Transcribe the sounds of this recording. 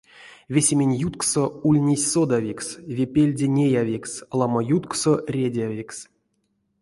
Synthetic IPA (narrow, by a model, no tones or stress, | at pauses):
vʲesʲemʲenʲjut̪ksoulʲnʲesʲsod̪avʲiksvʲepʲelʲdʲenʲejavʲikslˠamajut̪ksorʲedʲavʲiks